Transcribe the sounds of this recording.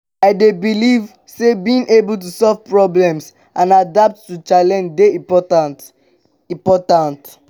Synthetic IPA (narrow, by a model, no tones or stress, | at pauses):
aɪdebiliv | sebiĩŋʔebult̬usɔlvpɹɔblɛ̃ms | ʔãnadap̚tːut͡ʃalɛ̃nd͡ʒdeiɔtt | ĩmpɔtãnt